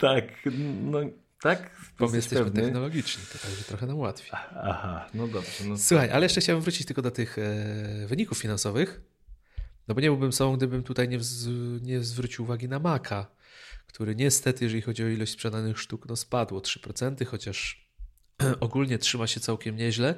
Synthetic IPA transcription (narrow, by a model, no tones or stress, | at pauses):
t̪aknɔ | t̪akbɔmɘjjɛst̪ɛɕɛmɘt̪ɛxnɔlɔɡʲit͡ʂɲit̪ɔt̪aɡʐɛt̪ɾɔxɛnamwat̪fʲi̥ahanɔd̪ɔbʐ̥ɛnɔswuxajʔa̰lɛjɛʂt͡ʂɛxt͡ɕawɛmɱvɾut͡ɕit͡ɕt̪ɘlkɔd̪ɔt̪ɘx | vɘɲikufːʲinansɔvɘx | nɔbɔɲɛbɘwbɘmsɔbɔ̃ɡd̪ɘbɘmt̪ut̪ajɲɛɲɛzvɾut͡ɕiwːvaɡʲinamakʰa | kt̪ʰuɾɛɲɛst̪ɛt̪ɘjɛʐɛlʲixɔd͡ʑiɔilɔɕt͡ɕspʂɛd̪anɘxʂt̪uknɔspad̪wɔtʂɘ̥pɾɔt̪sɛnt̪ɘxɔt͡ɕaʂ | ʔɔɡulɲɛtʂɘmaɕɛt̪sawkʲɛmɲɛʑlɛ